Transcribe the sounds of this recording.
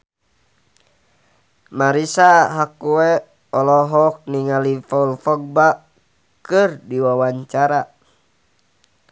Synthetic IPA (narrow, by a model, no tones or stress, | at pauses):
maɾisaɦakuɛ | ɔlɔɦɔk̚niŋalifaulfɔɡ̚ba | kɨrdiwawaɲt͡ʃaɾa